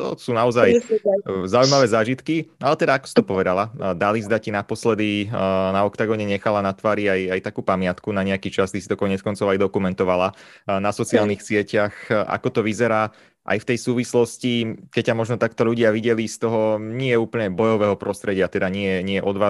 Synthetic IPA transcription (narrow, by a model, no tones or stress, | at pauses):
t̪ɔ̰suːnaɔzaj | zaujmaʋɛːzaːʒit̪kialɛt̪ɛd̪aakɔ̥si̥t̪ɔpɔʋɛd̪alad̪alizd̪acinapɔslɛd̪inaɔkt̪aɡɔɲɛɲɛxalanat̪ʋaːɾiajajt̪akuːpamɪat̪kunaɲɛakit͡ʃast̪isit̪ɔkɔɲɛt͡skɔnt͡sɔʊajd̪ɔkumɛnt̪ɔʋala | nasɔt͡siaːlnixsɪɛcaxʔa̰kɔt̪ɔʋizɛɾaː | ʔa̰jft̪ɛjsuːʋislɔscikɛccamɔʒnɔt̪akt̪ɔʎuɟɪaʋiɟɛlist̪ɔɦɔɲɪɛɛuːpl̩ɲɛbɔjɔʋɛːɦɔpɾɔst̪ɾɛɟɪat̪ɛd̪aɲɪɛjɛɲɪɛɛʔɔd̪ʋaː